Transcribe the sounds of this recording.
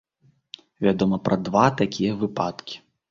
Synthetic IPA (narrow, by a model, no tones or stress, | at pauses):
vʲad̪ɔmɐpɾɐd̪vat̪akʲʰijɐvɨpat̪kʲi̥